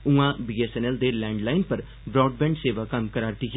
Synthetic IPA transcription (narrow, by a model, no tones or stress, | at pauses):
ũãːbiːesɛnɛːld̪eːlɛ̃ːɳɖlaːɪnpəɾ | bɾɔːɖ̚bɛ̃ːɳɖseːʋaːkəmkəɾaːɾt̪iːɦɛ